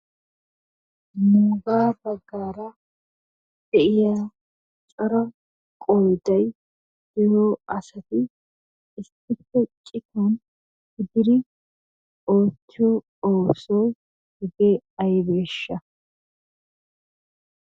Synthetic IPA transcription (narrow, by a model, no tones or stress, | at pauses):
nuːɡaːbɐɡːaːɾɐ | d̪̥ɛʔɪjaː | t͡ʃʼɔɾɐ | kʼɔjd̪ɐj | d̥ɪjoːɐsɐt̪ɪ | ɪsːɪpːɛt͡ʃkʼɪt̪on | hɪd̪ɪɾɪ | oːt͡ʃːɪjɔ | oːsɔj | hɪɡeɐjbe̞ːʃːɐ